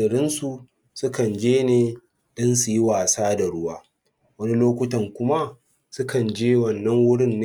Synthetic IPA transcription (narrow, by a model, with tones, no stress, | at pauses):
ɐ˨ɽɪ˦nsu˨ | sʊ˦kɐ˨nd͡ʒeː˦neː˦˨ | ɗɪ˦nsu˨ji˦waː˨saː˦da˨ɽʊ˦waː˦ | wɐ˦ni˦loː˦kʷʊ˦tɐ˨ŋkʷʊ˦ma˦ | sʊ˦kɐ˨nd͡ʒeː˦wɐ˨nːɐ˦ŋwʊ˦ɽɪ˦nː˦